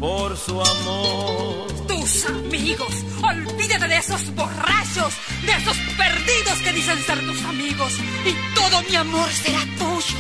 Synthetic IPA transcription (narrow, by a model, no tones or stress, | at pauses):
poɾsuamo | t̪usamiɣo̞s | olβiðat̪eðeeso̞zbo̞rat͡ʃo̞s | d̪eeso̞spe̞ɾðiðo̞ske̞ðisenseɾt̪usamiɣo̞s | it̪o̞ðo̞miamo̞ɾseɾat̪us